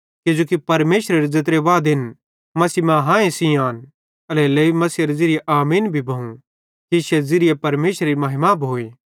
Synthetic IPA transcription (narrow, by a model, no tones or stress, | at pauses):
kɪd͡ʒoːkipɐɾmeːʃɾeɾezet̪̬ɾeʋaːd̪ɪn | mɐsiːmãɦãːẽsijaːn | ɐleleːimɐsiɐɾezɪɾɪjeʔaːmiːnbʱibʱɐũ | kiʃezɪɾɪjepɐɾmeːʃɾeɾimɐɦɪmaboːeː